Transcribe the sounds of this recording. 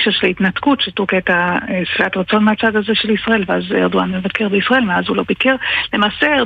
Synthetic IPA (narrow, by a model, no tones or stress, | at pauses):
ʃaʃelitnatkutʃetuketasfiatʁat͡so̞nmeat͡sad̪azeʃe̞lisʁae̞lveazḛʁd̪uanmevakʰe̞ʁbeisʁae̞lmeazhulo̞bikeʁlemaːsee